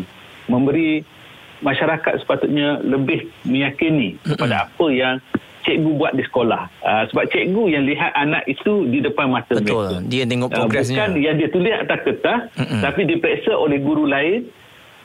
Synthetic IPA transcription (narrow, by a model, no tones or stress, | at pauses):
mə̃mbəɾi | mãʃaɾaka̰t̪̚sə̥pat̪ut̪̚ɲãləbɪhmə̃jakinikəpadaapəjaŋ | t͡ʃɛʔɡubuaʔ̪̚disə̥kolahəsəbap̚t͡ʃɛʔɡujaŋliɦat̪̚anã̰ʔit̪udidəpanmãt̪əəmludiat̪eŋɔpabɛskanjaŋdiat̪ulɪha̰t̪akət̪ast̪apidipɾɛsəʔolɛhɡuɾulaɪn